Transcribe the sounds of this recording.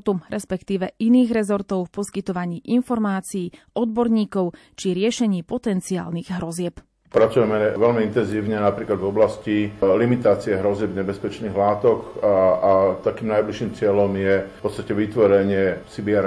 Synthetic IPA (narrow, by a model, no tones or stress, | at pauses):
t̪uɾɛspɛkt̪iːʋɛʔiniːɣɾɛzɔɾt̪ɔʊfpɔskit̪ɔʋaɲiːʔinfɔɾmaːt͡siː | ɔd̪̚bɔɾɲiːkɔʊ | t͡ʃiɾɪɛʃɛɲiːpɔt̪ɛnt͡siaːlniɣɦɾɔzɪɛp | pɾat͡sujɛmɛʋɛlmiint̪ɛnziːʊɲɛnapɾiːklad̪vɔblascilimit̪aːt͡siɛɦɾɔzɪɛbɲɛbɛspɛt͡ʃniːɣlaːt̪ɔkat̪akiːmnajbliʃːimt͡sɪɛlɔmjɛpɔt̪st̪acɛʋit̪ʋɔɾɛɲɪɛsibɪɛɾ